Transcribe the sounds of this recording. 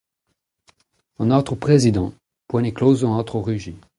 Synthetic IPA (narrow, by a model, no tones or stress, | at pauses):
ɑ̃nɔt̪χəpχezid̪ɑ̃ | pwɛ̃neklozɔ̃ɑ̃t̪χoʁyʒi